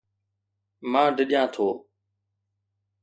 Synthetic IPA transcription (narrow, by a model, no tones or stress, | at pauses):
mãːɖəɗɪjãːt̪ʰoː